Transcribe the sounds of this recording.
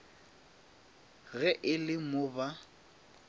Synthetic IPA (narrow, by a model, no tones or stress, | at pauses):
ɣɛʔɪlɪmʊba